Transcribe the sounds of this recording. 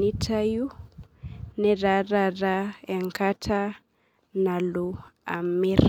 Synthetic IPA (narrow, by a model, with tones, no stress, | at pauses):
i˦tʰa˦ju˦ | nɛ˨ɾa˨ɾa˨ɾa˦ɛ˨ŋka˦tʰa˦ | na˨lua̰˨mi˦ɾ